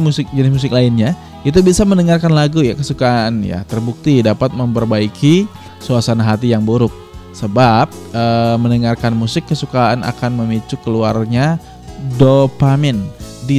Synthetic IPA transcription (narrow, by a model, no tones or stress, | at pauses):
musɪk̚d͡ʒənɪs̬mus̬ɪklaɪnɲa | it̪̬ubisamənəŋarkanlaɡujakəsukaanja̰t̪ərbuk̚t̪idapat̪̚məmpərbaikʰi | suasanaɦat̪ijaŋbuɾʊk̚səbap̚əmənəŋarkanmusɪkːəsukaanʔa̰kanməmit͡ʃukəlua̰rɲa | dopamɛndi